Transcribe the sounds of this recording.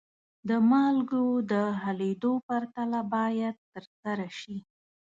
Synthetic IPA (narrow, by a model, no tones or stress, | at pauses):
d̪əmɑlɡod̪əɦaled̪opaɾt̪alabɑjad̪̚t̪əɾsaɾaʃi